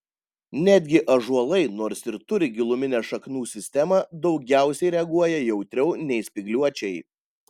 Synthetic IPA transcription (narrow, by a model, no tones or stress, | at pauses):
nʲæd̪ʲɡʲɪʔɐʒuɔlˠɐɪnoːɾsɪɾt̪ʊɾʲɪɡʲɪlˠʊmʲɪnʲɛːʃɐknuːsʲɪsʲt̪ʲɛmɑd̪ɒʊɡʲæˑʊsʲɛɪɾʲɛɐɡuɔjɛjɛʊt̪ʲɾʲɛʊnʲɛɪsʲpʲɪɡlʲuɔt͡ʃʲɛɪ